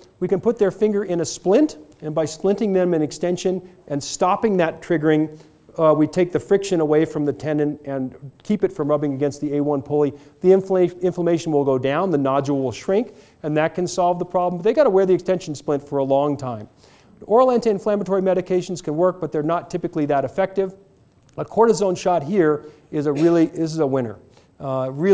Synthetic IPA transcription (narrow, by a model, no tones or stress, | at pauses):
wikɨ̃npʰʊt̪̚ðə˞fɪ̃ŋɡə˞ʔɪ̃nɨsplɪ̃ntɨ̃nbaɪsplɪ̃ntɪ̃ŋðɨ̃mɨ̃nɨkstɛ̃nʃɨ̃nʔɨ̃nstɑpɪ̃ŋðɨtʰɹ̥ɪɡə˞ɪ̃ŋ | witʰeɪk̚ðɨfɹɪkʃɨ̃nəweɪfɹʌ̃mðɨtʰɛ̃nɨ̃ntɨ̃nkʰipɨtfɹʌ̃mɹʌbɪ̃ŋɨɡɛ̃nst̪̚ðieɪwʌ̃npʰʊlˠi | ðĩɪ̃ɱfləmeɪʃn̩wəlˠɡoʊdãʊ̃nðɨnɑd͡ʒəl̩ll̩ˠʃɹɪ̃ŋk | ɨ̃nðɨt̚kʰɨ̃nsɑlˠvðəpʰɹ̥ɑblm̩ʌt̪̚ðeɪɡɑɾəwɛɹðiɨkstɛ̃nʃn̩splɪ̃ntfə˞əlɔ̃ŋtʰãɪ̃m | ɔɹlæ̃ntɨɨ̃nflæmətʰɔɹimɛɾɨkʰeɪʃn̩z̥kʰɨ̃nwɜ˞k̚b̥ʌt̪̚ðə˞nətʰɪpɨkliðɨɾɨfɛk̚tɪv | ʌkʰɔɹɾɨzõʊ̃nʃɑt̚ɦiɹ | ɪzəɹɪlˠiðɪs̬ɨzəwɪ̃ɾnə̰˞ | ɹɪ